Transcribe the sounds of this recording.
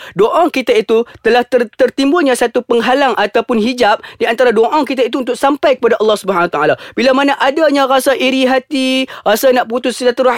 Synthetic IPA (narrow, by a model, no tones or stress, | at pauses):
doʔɔŋkit̪ait̪ut̪əlaht̪ərt̪ərt̪imbulɲãsat̪upəŋɦalaŋʔat̪awpʊnɦid͡ʒap̚diant̪aɾadoʔɔŋkit̪̬ait̪uunt̪ʊk̚sampajkə̥padaʔɑlːɑhsubəɦanwat̪aalabilamanaʔadaɲãɾasaʔiɾiɦat̪irasanaʔput̪ʊskit̪at̪əra